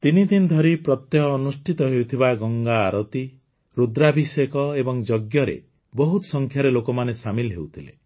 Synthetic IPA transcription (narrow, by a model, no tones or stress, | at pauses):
t̪inid̪ind̪ʱɔɾipɾɔt̪jeɦɔːnusʈʰit̪ɔɦewt̪ʰibaɡɔŋɡaːɾɔt̪i | ɾud̪ɾabʱisekɔebɔŋd͡ʒɔɡjɔɾḛ | bɔɦut̪ɔsɔŋkʰjaɾelokɔmanesamilɦewt̪ʰilḛ